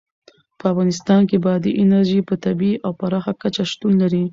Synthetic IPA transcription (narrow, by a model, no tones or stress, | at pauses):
pəafɣɑnɪs̬t̪ɑnkebɑd̪iʔɪnaɾʒipət̪abiʔawpaɾɑxakat͡ʃaʃt̪unlaɾi